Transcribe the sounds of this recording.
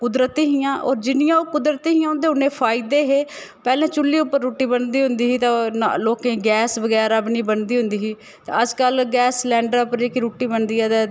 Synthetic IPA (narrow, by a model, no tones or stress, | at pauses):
kʊd̪ɾət̪iːɦijãːʔɔːɾd͡ʒɪnɪjãːokʊd̪ɾət̪iːɦijãːʊ̃nd̪eːʊnẽːpʰaːɪd̪eːɦeː | pɛːlẽːt͡ʃʊlːiːʊpːəɾːoːʈiːbənd̪iːɦʊnd̪iːɦiːt̪ãaloːkẽːɡɛːsbəɡɛːɾabniːbənd̪iːɦʊ̃nd̪iːɦiː | t̪ã̰ːəd͡ʒkəlɡɛːslɛ̃ːɳɖəɾpəɾeːkiɾoːʈiːbənd̪iːɛːd̪ɛː